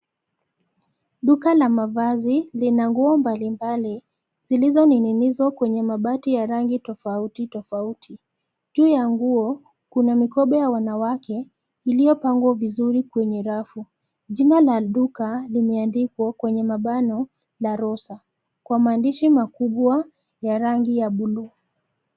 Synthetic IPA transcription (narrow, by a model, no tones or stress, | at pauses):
ɗukalamavazilinaŋɡuɔmbalimbali | zilizɔnininizwakwɛɲɛmaɓatijaɾaŋɡitɔfautitɔfautʰi | ʄuːjaŋɡuɔ | kunamikɔɓɛjawanawakɛ | ilijɔpaŋɡwavizuɾikwɛɲɛɾafu | ʄinalaɗukalimɛandikwakwɛɲɛmaɓanɔ | laɾɔsa | kwamaːndiʃimakuɓwa | jaɾaŋɡijaɓuluː